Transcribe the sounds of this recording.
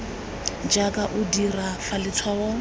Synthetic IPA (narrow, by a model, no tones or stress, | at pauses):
d͡ʒakʼaʔʊdirafalɪt͡sʰwawɔ